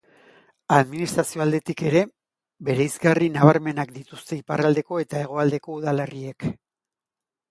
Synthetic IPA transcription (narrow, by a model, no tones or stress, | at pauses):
aðminist̪ɾasio̞ald̪e̞t̪ike̞ɾe̞ | be̞ɾejzɡarinaβaɾme̞nakd̪it̪ust̪e̞iparald̪e̞ko̞e̞t̪ae̞ɣ̞o̞ald̪e̞ko̞uðalerie̞k